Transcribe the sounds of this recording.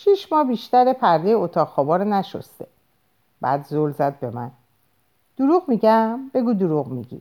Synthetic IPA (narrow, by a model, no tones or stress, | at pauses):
ʃiʃmɒːbiːʃt̪æɾepʰæɾd̪ejeot̪ʰɒːɣxɒːbɒːɾenæʃo̰st̪e | b̥æ̰ːd̪zolzæd̪̚be̞mæ̰n | d̪̥uɾuːɣmiːɟæmbe̞ɡuːd̪oɾuɣmiɟḭ